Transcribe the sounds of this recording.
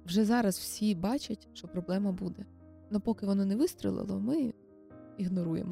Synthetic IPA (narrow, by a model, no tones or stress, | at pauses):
wʒɛzɑɾɐzwsʲibɑt͡ʃɐtʲʃt͡ʃɔpɾɔblˠɛmɐbud̪ɛ | nɔpɔkɪʋɔnɔnɛʋɪst̪ʲɾʲɪ̰lˠɪ̰lˠɔ̰mɪ | iɦnɔɾujḛmɔ